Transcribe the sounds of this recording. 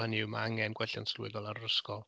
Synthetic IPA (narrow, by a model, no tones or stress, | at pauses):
ənɪwmaaŋɛnɡwɛɬanslʊɨðɔlˠanəskɔlˠ